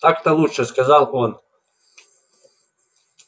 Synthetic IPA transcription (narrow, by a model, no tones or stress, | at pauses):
t̪akt̪alˠuʂɛskazalˠon